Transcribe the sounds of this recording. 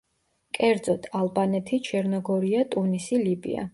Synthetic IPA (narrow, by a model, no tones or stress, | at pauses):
kʼɛɾd̪zɔt̪ʰalˠbanɛt̪ʰit͡ʃʰɛɾnɔɡɔɾiat̪ʼunisilibḭa̰